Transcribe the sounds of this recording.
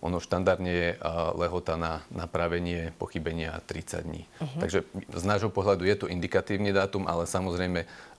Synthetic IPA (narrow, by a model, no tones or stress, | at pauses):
ʔɔ̰nɔʃt̪and̪aɾd̪ɲɛjɛlɛɦɔt̪ananapɾaʋɛɲɪɛpɔ̰xibɛɲɪat̪ɾit͡sa̰ɟd̪ɲḭːt̪aɡʒɛznaːʒɦɔpɔɦlad̪ujɛt̪ɔʔind̪ikat̪iːʊnid̪aːt̪umʔa̰lɛsamɔzɾɛjmɛ